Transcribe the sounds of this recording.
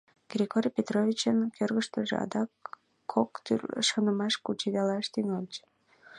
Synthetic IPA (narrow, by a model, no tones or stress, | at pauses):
ɡ̥rʲeɡoɾʲipʲet̪rovʲit͡ɕənkʰørɣəʃt̪əʒḛɑ̰d̪ɑkʰː | okt̪y̰lʃonəmɑʃkut͡ɕid̪ɑlɑʃt̪yŋɑlt͡ɕ